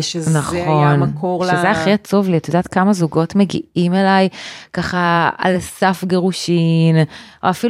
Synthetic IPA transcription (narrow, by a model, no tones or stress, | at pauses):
naχo̞nkoʃezeaχiat͡sovliatjod̪aːt̪kamazuɡo̞tmeɡḭʔimelajkaχaa̰lsafɡeʁuʃinʔo̰afil